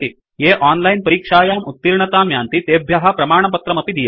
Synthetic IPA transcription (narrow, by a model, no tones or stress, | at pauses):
t̪i | jeːʔaːnlɐjnpɐɾiːkʂaːjaːmut̪ːiɾɳɐt̪aːmjaːnt̪it̪eːbʱjɐɦɐ̆pɾɐmaːɳ̃ɐpɐt̪ɾɐmɐpid̪ija